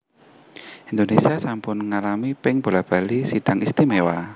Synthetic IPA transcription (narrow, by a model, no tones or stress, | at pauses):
ind̪onesiasampʊnŋalamipɪŋb̥olab̥a̤lisiɖ̥a̤ŋist̪imewa